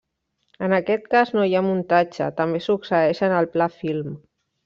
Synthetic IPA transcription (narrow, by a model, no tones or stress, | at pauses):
ənəkɛt̪̚kaznojamunt̪ad͡ʒt͡ʃə̰t̪əmbesuksəɛʃənəlˠplafilm